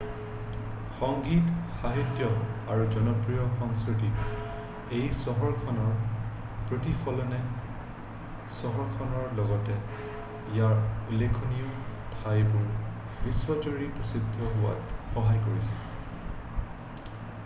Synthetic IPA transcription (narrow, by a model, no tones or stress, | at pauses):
xɔŋɡitxaɦitjɔaɹuzɔnɔpɹijɔkɔnskɹitip | ejsɔɦɔɹkʰɔnɔɹ | pɹotipʰɔlɔnɛ | sɔɦɔɹkʰɔnɔɹlɔɡɔtɛ | ijaɹulekʰoniʊ | tʰajbʊɹ | biswɔtoɹipɹɔsid̪ʱːɔɦʊwa̰txɔɦajkoɹisɛ̥